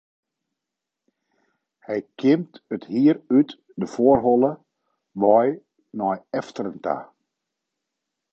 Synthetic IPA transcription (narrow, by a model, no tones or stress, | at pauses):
hɛjkʰɪmtəthiəryt | dəfoərɦɔlˠə | ʋɔj | nɔjɛftərəntʰa̰